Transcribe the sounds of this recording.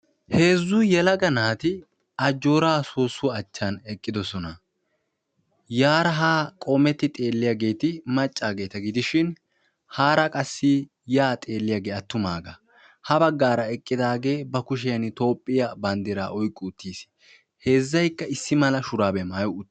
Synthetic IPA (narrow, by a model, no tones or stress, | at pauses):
he̞ːzːʊjɛlɐɡɐnaːt̪ɪ | ɐd͡ʒːo̞ːɾaːsoːsːʊɐt͡ʃːanɛkʼːɪd̪ɔsɔnɐ | jaːɾɐɦaːkʼomɛt̪ːɪt̪ʼe̞ːlːɪjaːɡe̞ːt̪ɪmɐt͡ʃʼːaːɡe̞ːt̪ɐɡɪd̪ɪʃɪn | haːɾɐkʼɐsːɪ | jaːt̪ʼe̞ːlːɪjaːɡe̞ːɐt̪ːʊma̰ːɡɐ | hɐbɐɡːaːɾɐɛkʼːɪd̪aːɡe̞ːbɐkʊʃ̬ɪjɐnɪt̪o̞ːpʼːɪjɐbɐnd̪ɪɾa̰ːʔɔjkʼːʊːt̪ːiːs | he̞ːzːɐjkːɐɪsːɪmɐlɐʃʊɾaːbɛmaːjʊʊ